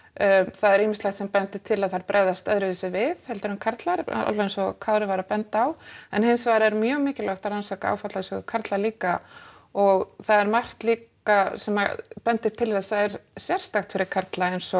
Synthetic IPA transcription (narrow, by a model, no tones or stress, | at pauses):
θaðɛɾiːmɪst̪axt̪sɛmpɛnt̪ɪ̥t̪ʰɪlaðθaɾpɾʔɛðast̪œðɾʏðɪsɪvɪð̥hɛlt̪ɪɾhʏnkʰaɾt̪laɾ̰a̰laensɔkʰawɾɪvaɾapɛnt̪aːwɛnhɪnsvaːɾɛɾmjœːɣmɪːcɪlaxt̪aɾansaːkaa̰wfat̪lasɔɣkʰaɾt̪laliːka | ɔɣθaðɛɾmar̥t̪liːk | asɛmapɛnt̪ɪ̥t̪ʰɪlθɛsaɛɾ̥sjɛr̥st̪axt̪fɪɾɪɾ̥kʰaɾt̪laejnsɔ